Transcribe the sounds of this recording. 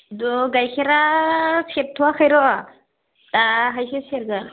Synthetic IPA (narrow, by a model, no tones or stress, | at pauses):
dɔɡajkʰeɾasep̚tʰuwakʰajɾɔʔa | taɦajsʰeseɾɡa